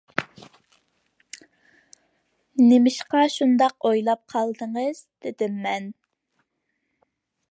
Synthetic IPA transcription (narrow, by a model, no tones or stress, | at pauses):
nemɪʃqɑʃund̪ɑqojlˠɑp̚qʰɑlˠd̪əŋəz̥d̪̥ɪd̪ɪmːɛn